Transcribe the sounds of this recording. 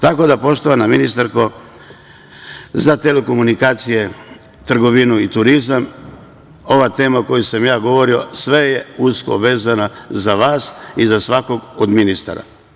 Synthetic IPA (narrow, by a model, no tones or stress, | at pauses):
t̪ako̞d̪apo̞ʃt̪oʋanaminist̪aɾko̞ | zat̪eleko̞munikaːt̪sije̞ | t̪r̩ɡo̞ʋinuit̪uɾizam | o̞ʋat̪e̞ːmako̞jusamjaːɡo̞ʋo̞ɾio̞̰sʋejeusko̞̰ʋe̞ːzanazaʋaːsizasʋako̞ɡod̪minist̪a̰ɾa̰